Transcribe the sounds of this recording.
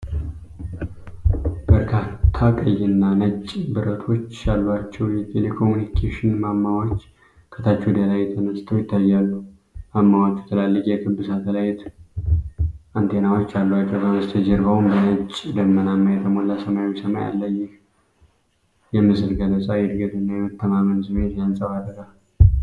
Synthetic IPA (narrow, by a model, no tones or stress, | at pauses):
b̥əɾkʰat̪ʰːakʼəjːɨnːanət͡ʃʼbɨɾət̪ʰo̞t͡ʃːjalːat͡ʃːɛwjɛt̪ʰelekʰo̞munikʰeʃɪnmamːawot͡ʃː | kʰə̥t̪ʰat͡ʃːɛd̪elajt̪ʰənəst̪ʰəwjɪt̪ːajːalːu | mamːawot͡ʃːɛ̥t̪ʰəlalːɨkʼjɛkʰɨbːɨsat̪ʰələjɪt̪ | ant̪ʰe̞nawo̞t͡ʃːjalːwat͡ʃːɛwkəməst̪ʰəd͡ʒɛɾɡawumbənət͡ʃʼːd̪əmːənamːəjɛt̪ʰəmolːasəmawisəma̰ja̰lːəjːɪh | jɛmːɨsɨlɡələsʼajɛd̪ɡət̪ɨnːajɛmət̪ʰːəmamənsɨmet̪jansʼəβad̪əɡal